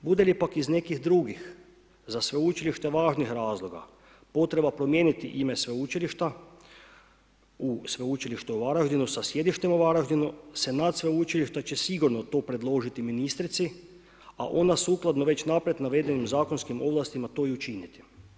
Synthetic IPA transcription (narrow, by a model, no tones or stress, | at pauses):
bud̪e̞lipakizne̞kixd̪ɾuɡix | zasʋeut͡ʃiliʃt̪e̞ʋaːʒnixɾaːzlˠo̞ɡa̰ | po̞t̪ɾe̞bapɾo̞mje̞ːnit̪iʔimesʋeut͡ʃiliʃt̪a | usʋeut͡ʃiliʃt̪uoʋaɾaʒd̪inusasje̞d̪iʃt̪emoʋaɾaʒd̪inusenat̪sʋeut͡ʃiliʃt̪at͡ɕe̞siɡuɾnot̪o̞ːpɾe̞d̪lˠo̞ʒit̪iminist̪ɾit̪si | a̰ʔo̞nasuklˠad̪noʋe̞t͡ɕnapɾjet̪naʋe̞d̪e̞nimzaːko̞nskimo̞ʋlˠast̪imat̪o̞iut͡ʃinit̪i̥